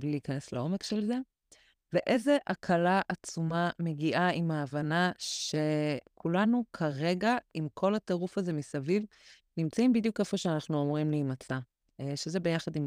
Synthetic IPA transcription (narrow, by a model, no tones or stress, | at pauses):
bliliːkaneslao̞me̞kʃelze̞ | veʔe̞ze̞ʔakʰalaʔat͡sumame̞ɡiʔaimaːvanaʃe̞kʰulanukʰaʁe̞ɡaʔimkʰo̞lateʁufaze̞misaviv | nimt͡saimbidjukefo̞ʃeanaχnuamʁimliːmat͡sa | ʃezebe̞jaχadim